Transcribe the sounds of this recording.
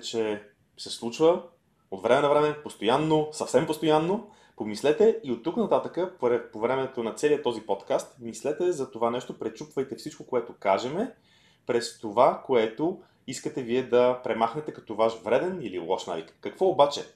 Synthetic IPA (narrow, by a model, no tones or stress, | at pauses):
t͡ʃɛ | sɛslˠut͡ʃvə | ot̪vɾɛmɛnɐvɾɛmɛpost̪ojanːosɐfsɛmpost̪ojanːo | pomislɛt̪ɛiot̪ːuknɐt̪at̪əkəpɾɛpovɾɛmɛt̪onɐt̪sɛliət̪ɔzipɔt̪kast̪mislɛt̪ɛzɐt̪ovanɛʃt̪opɾɛt͡ʃupvəjt̪ɛfsit͡ʃkokoɛt̪okaʒɛmɛ | pɾɛst̪ovakoɛt̪o | iskət̪ɛviɛd̪ɐpɾɛmaxnɛt̪ɛkɐ̥t̪ɔvaʃvɾɛd̪ɛnilḭlˠɔ̰ʃna̰vḭkkːɐkvɔobat͡ʃɛ